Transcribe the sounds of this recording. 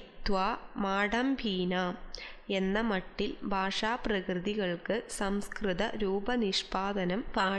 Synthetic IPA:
t̪ʋaːmaːɽɐmbʱiːnaːme̞nːɐmɐʈːilbʱaːʂaːprɐkrɨðiɣɐɭkɨsɐmskrɨðɐɾuːbɐniʂpaːd̪ɐnɐmpaː

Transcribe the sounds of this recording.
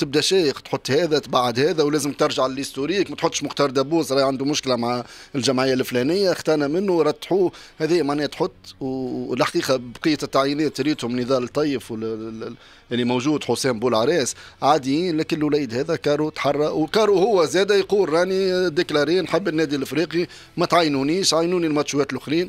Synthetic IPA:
t̪ɪb̚d̪æʃɛːjəqt̪ħot̪ˤːhɛːðæt̪baʕad̪hɛːðæwlæːzəmk̚t̪ɪɾˤʒaʕlɪlɪst̪uɾiːkmæt̪ħʊt̪ːʃmʊxt̪ɑːɾˤd̪æbuːsɾˤɑːjʕand̪umʊʃklæmaʕɪlʒæmʕɪjːælflænɪjːaxt̪ɑːnæmɪnːʊɾˤɑt̪ːħuːhɛðɪjːæmaʕnɛːhæt̪ħʊt̪ːwlħqiːqɑbqəjːæt̪ːaʕjinɛːt̪ɾiːt̪hʊmnəðɑːlt̪ˤːɑːjəfw | ʔɪlːimowʒuːd̪ħʊsɛːmbuːlʕaɾɛːsʕaːd̪jiːnlækɪnlːwlæjd̪hɛːðɛkɑːɾˤut̪ħɑrˤːɑwkɑːɾˤuhʊwːæzɛːd̪æjquːlɾɑːnid̪ːɪklɑɾiːnħɪbːɪnːɛːd̪ilɪfɾiːqi | mɛt̪ʕajːnuniːʃt̪ʕajnuːnilmɑt̪ʃuwɛːt̪lʔʊxɾiːn

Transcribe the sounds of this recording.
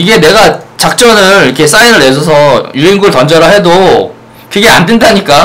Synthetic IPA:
iɡe̞ne̞ɡat͡ɕak̚t͡ɕ͈ʌnɯɾikʰe̞s͈ainɯɭes̬ʰʌsʰʌjuiŋɡuɯɭtʌnd͡ʑʌɾaɦe̞do | kɯɡe̞andwendaɲik͈a

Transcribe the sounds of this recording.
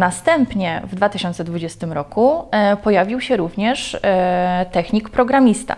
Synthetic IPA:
nast̪ɛmpɲɛvd̪vat̪ɘɕɔnt̪sɛd̪vud͡ʑɛst̪ɘmɾɔkupɔjavʲiwɕɛɾuvɲɛʂ | t̪ɛxɲikpɾɔɡɾamʲist̪a̰

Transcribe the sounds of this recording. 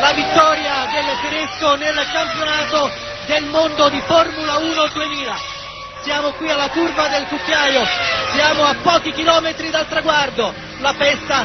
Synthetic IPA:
lavit̪ːɔːɾjad̪elfeɾeskonelkampjonaːt̪o | d̪elmond̪od̪iformulauːnod̪uemiːla | sjaːmokwialːakurvad̪elkukːjaːjosjaːmoapːɔːk̟ik̟ilɔːmet̪ɾid̪alt̪ɾaɡward̪o | lapɛst̪a

